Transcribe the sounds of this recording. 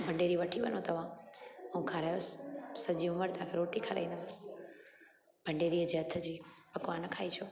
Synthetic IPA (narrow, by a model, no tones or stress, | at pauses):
bʱɐ̃ɳɖeːɾiʋɐʈʰiʋɐ̰not̪ɐʋ̤ãũːkʰãɾaːjosɪ̥sɐd͡ʑiʊməɾt̪aãkʰeɾoːʈikʰaɾa̰ĩːnd̪əbɐsɪ̥ | b̥ʱɐ̃ɳɖeːɾiːəd͡ʑeːɐt̪ʰə̆d͡ʑiːpɐkʋanɐkʰaːit͡ɕʰoː